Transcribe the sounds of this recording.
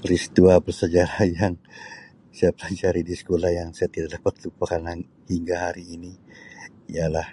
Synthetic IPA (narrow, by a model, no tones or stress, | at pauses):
prist̪uabərsəd͡ʒaɾahjaŋ | sajapəlaɲd͡ʒaɾidisə̥kolahjaŋsajat̪idaʔdapat̪lupakana | hiŋɡaɦaɾiːni | ijalah